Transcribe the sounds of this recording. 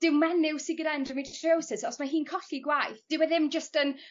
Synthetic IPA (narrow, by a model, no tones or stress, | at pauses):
d̥ɪwmɛnɪwsɪɡəɾɛndrəmɪdreowsɪsɔsmaɦiːnkʰɔɬiɡwajθd̥ɪwɛðɪmd͡ʒəstən